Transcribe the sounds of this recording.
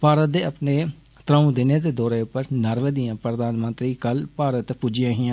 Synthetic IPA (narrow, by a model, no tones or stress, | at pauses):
paːɾət̪̚d̪eːəpneː | t̪ɾəũːd̪ɪneːd̪eːd̪ɔːɾeːʊpːəɾnəɾʋeːd̪ijãːpɾəd̪aːnmənt̪ɾiːkəlpaːɾət̪puːd͡ʒɪjãːɦɪjãː